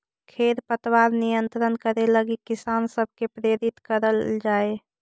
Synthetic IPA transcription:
kʰeːɾpət̪waːɾnijə̃nt̪ɾənkəɾeləɡikːɪsaːnsəb̚ʱkepɾeːɾɪt̪kəɾəld͡ʒaːe

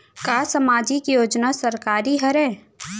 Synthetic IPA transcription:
kaːsəmaːd͡ʒikjoːd͡ʒnasɐɾkaːɾiɦɐɾɛ̃ː

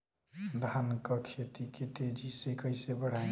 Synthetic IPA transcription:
d̪ʱankəkʰet̪iket̪ed͡ʒisekəɪsebəɽ̤ã

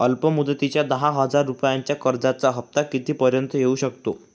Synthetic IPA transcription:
əlpəmud̪ət̪it͡ɕjad̪əɦãɦəd͡zaɾːupjaɲt͡ɕjakəɾd͡zat͡saɦəp̚t̪akit̪iːpəɾjənt̪əjeuɕək̚t̪o

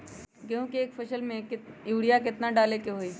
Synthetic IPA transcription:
kjõːkiːkfʰəʃəlmẽkɪjuːɽijakɪt̪naɖaːlekeɦoːiː

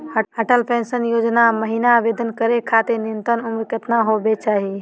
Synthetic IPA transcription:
əəʈəlpẽːnsənjoːd͡ʒnaməɦiːnaːbeːd̪ʱənkəɾekʰaːt̪enɪ̃nt̪ənʊmɾɪkət̪naɦobet͡ʃaːɦi

